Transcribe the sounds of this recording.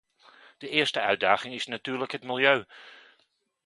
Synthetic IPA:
d̥əɪəɹstəœɥ̚daːɣɪŋɪsnatyːrləkɦətmilˠjøː

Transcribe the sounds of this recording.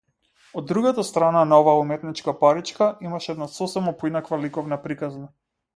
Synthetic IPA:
ɔd̪ːɾuɡat̪ast̪ɾananaɔvaːumɛt̪nit͡ʃkapaɾit͡ʃkaimaʃɛɛd̪nasɔsɛmapɔinakvalikɔvnapɾikazna

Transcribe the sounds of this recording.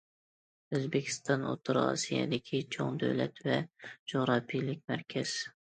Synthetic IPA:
øzbɪkʲʰi̥st̪ʰɑno̰t̪ʰuɾɑ̰sijɛ̰d̪ɪkʲʰit͡ʃʰoŋd̪øwlɛt̪vɛd͡ʒoʁɾɑpʰijlɪk̚ʲmæɾkʲʰɛz̥

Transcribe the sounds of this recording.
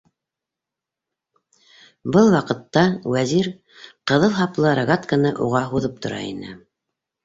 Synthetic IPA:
bɤlˠwɑqɤ̆t̪ːɑwæziɾ | qɤ̆ðɤlˠɦɑplˠɤɾaɡat̪kənɤʔuʁɑɦuðɤp̚t̪ʰŏɾɑ̰ḭnɘ̰

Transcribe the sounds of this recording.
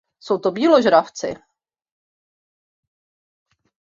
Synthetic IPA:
sowt̪obiːloʒɾaft͡sɪ̰

